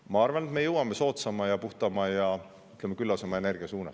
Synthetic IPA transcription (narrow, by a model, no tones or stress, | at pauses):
mɑɑrvɑnet̪me̞jɤwɑmːe̞so̞ːt̪sɑmɑjɑpuht̪ɑmɑjɑ | yt̪lemːekylːɑsomːɑe̞ne̞rɡ̥iɑsuːnɑ̰s